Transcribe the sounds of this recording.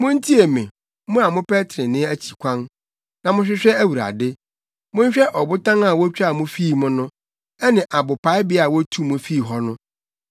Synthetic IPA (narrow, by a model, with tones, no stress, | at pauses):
mʊ̃˦n˦tʰi˦e˨mɛ̰̃˨ | mʊ̃˦a˨mʊ̃˦pɛ˦tʰɾɪ̃˨nɪ̃˦æ˦t͡ɕʰi̥˨kʷʰã˦n | nã˨mʊ̃˦ɕ̬ᶣɪ˦ɕᶣɛ˦æ˦wu˨ɾa̰˨dɪ˦ | mʊ̃˦ɲ˦ɕᶣɛ˦ʔɔ˨bʊ˦tʰã˦na˨wɔ˦t͡ɕᶣa˦˨mʊ̃˦fi˦˨mʊ̃˦nʊ̃˦ | ɛ˦nɪ̃˨ʔa˨bʊ˨pʰa˨˦ɪ˦bɪ˦a˨wɔ˦tʰu˦mʊ̃˦fi˦˨ɦɔ˦nʊ̃˦